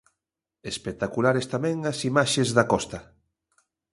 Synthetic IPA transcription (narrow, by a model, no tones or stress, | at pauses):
espet̪akulaɾest̪amɛ̃ŋɐsimaʃezðakɔst̪ɐ